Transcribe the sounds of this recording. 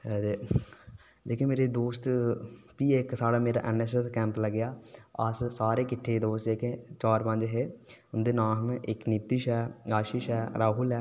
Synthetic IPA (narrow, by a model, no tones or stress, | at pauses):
e | d͡ʒeːkẽːmeːɾeːd̪oːst̪piːeksaːɽaːmeːɾa̰ːʔɛnɛːs̬ɛskɛ̃ːmpləɡjaːəssaːɾeːkɪʈʰːeːd̪oːst̪d͡ʒeːkẽːt͡ʃaːɾpə̃nd͡ʒɦeːʊnd̪eːnãːɦnɪknit̪ːɪʃɛːaːʃiːʃɛːɾaːɦʊlɛː